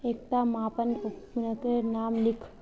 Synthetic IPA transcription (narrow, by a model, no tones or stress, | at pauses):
eːk̚t̪amaːpənupnəkenaːmlikʰ